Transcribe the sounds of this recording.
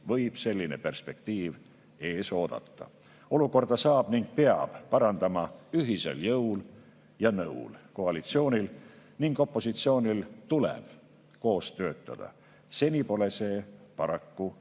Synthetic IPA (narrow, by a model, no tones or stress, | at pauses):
vɤjb̥se̞lʲːinepe̞rspe̞kt̪iːv | e̞ːso̞ːd̪̥ɑ̰t̪ːɑ̰ | o̞luko̞rd̪̥ɑsɑːb̥niŋɡ̥̚peɑ̰b̥pɑɾɑnd̪ɑmɑyɦise̞̰ljɤwl | jɑnɤ̰wlko̞ɑlit̪sio̞ːnʲil | niŋɡ̥o̞pːˑo̞sit̪sio̞ːnʲilt̪ulḛb̥ | ko̞ːst̪ø̞ːt̪ːˑɑ̰d̪̥ɑ̰ | se̞nʲipo̞le̞se̞ːpɑɾɑkːu